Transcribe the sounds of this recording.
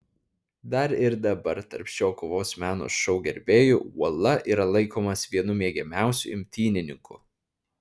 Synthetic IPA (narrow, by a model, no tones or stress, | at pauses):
d̪ɐɾɪɾd̪ɐbɐɾt̪ɐɾʲpʲʃʲoːkoʋoːsmʲæːno̰ːsʃɔʊɡʲɛɾʲbʲeːjʊṵɔlˠɐʔiːɾɐlˠɐɪkoːmɐsʋʲiɛnʊmʲiɛɡʲɛmʲæˑʊsʲʊ̰ɪmʲt̪ʲiːnʲɪnʲɪŋkʰʊ̰